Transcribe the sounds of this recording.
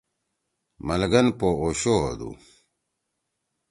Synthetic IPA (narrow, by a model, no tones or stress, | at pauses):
mɐlɡɐnpooɕoɦɐ̰d̪ṵ